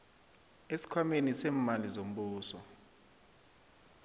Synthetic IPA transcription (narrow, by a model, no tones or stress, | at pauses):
esi̥kʰwamenisɛːmalizom̩ɓuːsɔ